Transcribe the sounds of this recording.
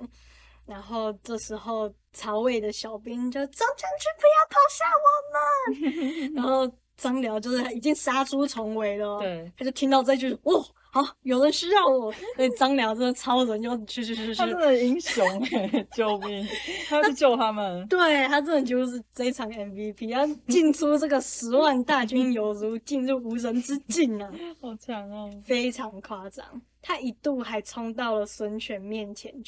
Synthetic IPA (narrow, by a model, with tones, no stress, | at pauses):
ɻa˧˥nxo˥˧ʊʈ͡ʂɤ˥˩ʂɻ̩˧˥xo˥˩ʊ | t͡sʰɑ˧˥ʊwe˥˩ɪd̪ə˩ɕjɑ˨˩ʊpi˥ŋt͡ɕjo˥˩t͡sɑ˥ŋt͡ɕʰə˧˥ŋt͡ɕʰy˥˧pu˧˥jɑ˥˩ʊp̪ʰɑ˨˩ʊɕja˥˩wə˨˩˦nmə˧ | ɻa˧˥nxo˥˩ʊ | t͡sɑ˥ŋljɑ˧˥ʊt͡ɕjʊʂɻ̩ʰ˥˩a˥i˨˩t͡ɕi˥˧ŋʂa˥ʈ͡ʂʰu˥t͡sʰʊ˧˥ŋwe˧˥ɪlə˧˨˧t̪ʰa˥t͡ɕjo˥˩ʊt̪ʰi˥ŋt̪ɑ˥˧ʊʈ͡ʂɤ˥˩˥t͡ɕjo˥˧ʊʂ̩˥˩wɔ˥˩ | ɑ˥˩jo˨˩ʊɻə˧˦nʂ̩˥jɑ˥˩ɔ˨˩sɔ˥i˩t͡sɑ˥ŋljɑ˧˥ʊʈ͡ʂɤ˥˩ɡə˨˩t͡sʰɑ˧˥ʊɻə˧˦nt͡ɕjo˥˧ʊt͡ɕʰy˥˧˩ʂ̬̩˧ʂɻ̩˧˥˧ə˧˩i˥ŋɕjʊ˨˧˥ŋt͡ɕjo˥˧ʊmi˨˩a˥a˥˧t͡ɕjo˥˧ʊt̪ʰa˦˥mə˨nt̪we˥˩ɪt̪ʰa˥t͡sə˥˩nd̪ə˨˩t͡ɕjo˥˧ʊʂ̬ɻ̩˥˩fe˥ɪt͡sʰɑ˨˦˥ŋɛ˨nvi˦pʰi˥a˥˩t͡ɕi˥˩nʈ͡ʂʰu˥ʈ͡ʂɤ˥˩ɡə˩ʂɻ̩˧˥wa˥˧nt̪a˥˩t͡ɕy˥njo˨˩ʊzu˨˧˥t͡ɕi˥˧nɻu˥˩u˧˥ɻə˧˦nt͡sɹɻ̩˦t͡ɕi˥˩nə˩ɔ˨˧˩t͡ɕʰjɑ˨˧˦ŋ˧fe˥ɪʈ͡ʂʰɑ˨˧˥ŋkʰwa˥t͡sɑ̰˨˩˦ŋ | t̪ʰa˥ʔi˨˩t̪u˥˩xa˧˥ɪt͡sʰɔ˥ŋt̪ɑ˥˩ʊlə˩swə˧˥nt͡ɕʰɥɛ˨˥nmjɛ˥˩nt͡ɕʰjɛ˧˦n